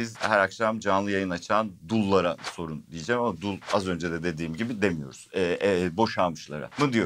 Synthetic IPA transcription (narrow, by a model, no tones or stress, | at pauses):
izhæɾakʃamd͡ʒanlˠɯjajɯnat͡ʃʰaːnd̪ulˠːaɾaso̞ɾund̪ijed͡ʒɛmamad̪ulˠazø̞nd͡ʒɛd̪ɛd̪e̞d̪iːmɟibid̪e̞mijo̞̰ɾuz̥ɛbo̞ʃamɯʃlˠa̰ɾa̰mɯd̪ijo